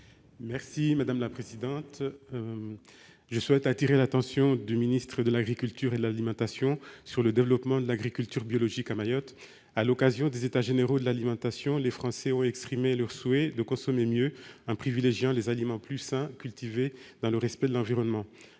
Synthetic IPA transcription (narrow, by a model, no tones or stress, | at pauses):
mɛʁsimad̪amlapχezid̪ɑ̃t̪ | ʒəswɛt̪at̪iʁelat̪ɑ̃sjɔ̃d̪yminist̪χəd̪əlaɡʁikʲylt̪yʁed̪əlalimɑ̃t̪asjɔ̃syʁləd̪evəlɔpmɑ̃d̪əlaɡʁikʲylt̪yʁbjɔlɔʒikamajɔt̪ | alɔkazjɔ̃d̪ezet̪aʒeneʁod̪əlalimɑ̃t̪asjɔ̃lefχɑ̃sɛɔ̃ɛkspχimelœʁswed̪əkɔ̃sɔmemjøɑ̃pχivileʒjɑ̃lezalimɑ̃plysɛ̃kʲylt̪ived̪ɑ̃ləʁɛspɛd̪əlɑ̃viʁɔnmɑ̃